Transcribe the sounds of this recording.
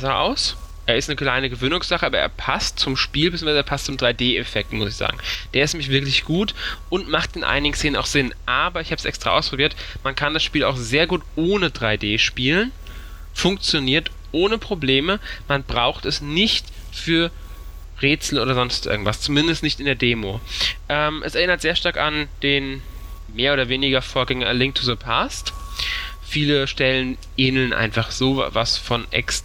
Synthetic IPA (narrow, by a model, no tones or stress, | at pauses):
zaːʔa̰ʊs | ʔeːɐɪstnəkl̥aɪnəɡəvøːnʊŋsz̥aχəʔaːbɐʔḛːɐpʰast̚t͡sʊmʃpiːlbet͡s̬ʰʲsjːŋvaɪzəɛːɐpʰastt͡sʊmdʁaɪdeːɛfɛk̚tmʊsɪçz̥a̰ːɡŋ̩d̥eːɐɪsnɛmɪç̬v̥ɪɐklɪçɡ̥uːtʔʊntmaχtdɪnʔa̰ɪnɪɡŋ̩seːnəna̰ʊxz̥ɪnʔaːbɐɪçhaːbə̥sʔɛ̰kstʁ̥a̰ʔaʊspʰʁ̥obiːɐtmankʰandasʃpiːla̰ʊxz̥eːɐɡuːtʔoːnədʁaɪdeːʃpiːlən | fʊŋkt͡sjoniːɐt | ʔoːnəpʁ̥obleːməmanbʁaʊxtɛsnɪçt | fyːɐ | ʁeːt͡sl̩ʔoːɾɐzɔnstʔɪ̰ɐɡŋ̩tv̥ast͡sumɪndəstnɪçtɪndeːɐdeːmoʔɛːmʔɛ̰sɛɐɪnɐtz̥eːɐʃtaɐkand̥eːn | meːɐoːdɐveːnɪɡɐfoːɐɡɛŋɐlɪŋk̚tʰuðəpʰast | fiːləʃtɛlən | ʔeːnl̩nʔa̰ɪnfaχz̥o̰ːvasfɔnʔɛ̰ks